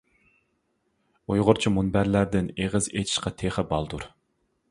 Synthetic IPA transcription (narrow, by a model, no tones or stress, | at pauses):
ujʁʊɾt͡ʃʰimunbæɾlæɾd̪ɪneʁəzet̪ʰi̥ʃqɑt̪ʰeχəbɑlˠd̪uɾ